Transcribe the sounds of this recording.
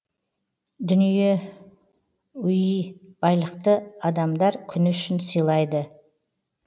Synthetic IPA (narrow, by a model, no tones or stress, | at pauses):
d̪ʏnije̞ | ʏjijb̥ɑjlˠəqt̪əɑd̪ɑmd̪ɑɾkʲʰʏnɪʏʃɪnsəjlˠɑjd̪ə